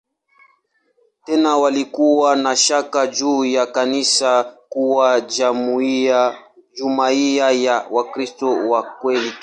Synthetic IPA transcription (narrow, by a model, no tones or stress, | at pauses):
tɛnawalikuwanaʃakad͡ʒuːjakanisakuwam | d͡ʒumaiajawakɾistɔwakwɛli